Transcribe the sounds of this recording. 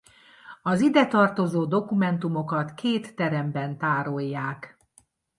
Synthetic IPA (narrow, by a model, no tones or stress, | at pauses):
ɒzid̪ɛt̪ɒrt̪o̞zoːd̪o̞kumɛnt̪umo̞kɒt̪keːt̪ːɛɾɛmbɛnt̪aːɾo̞jːaːk